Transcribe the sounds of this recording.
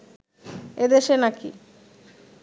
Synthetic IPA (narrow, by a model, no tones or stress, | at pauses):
ed̪eʃenakḭ